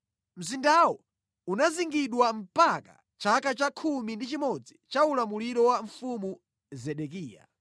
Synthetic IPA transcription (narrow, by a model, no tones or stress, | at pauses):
m̩zindawɔ | unaziŋɡiɗwam̩paka̰ | t͡ʃakat͡ʃakʰumindit͡ʃimɔd͡zit͡ʃaulamuliɾɔwaɱfumu | zɛɗɛk̬iːja̰